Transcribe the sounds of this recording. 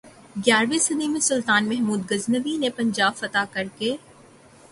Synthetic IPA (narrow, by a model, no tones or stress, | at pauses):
ɡjaːɾʋisɐd̪imẽsʊlt̪aːnmɛɦmuːd̪̚ɡɐznəbinepɐ̃ɲd͡ʒaːbfɐt̪akɐɾkeː